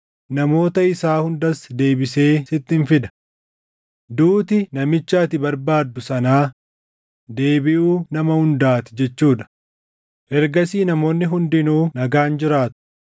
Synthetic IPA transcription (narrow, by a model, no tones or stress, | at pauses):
nɐmo̞ːt̪ɐɪsaːhʊnd̪ɐsd̪e̞ːbɪse̞ːsɪt̪ːɪnfɪd̪ɐ̥ | d̪uːt̪ɪnɐmɪt͡ʃːaːt̪ɪbɐɾbaːd̪ːʊsɐnaː | d̪e̞ːbɪʔuːnɐmɐhʊnd̪aːt̪ɪ̥d͡ʒɛt͡ʃːuːᶑɐ̥ | ʔɛɾɡɐsiːnɐmo̞ːnːɪɦʊnd̪ɪnuːnɐɡaːnd͡ʒɪɾaːt̪ʊ̥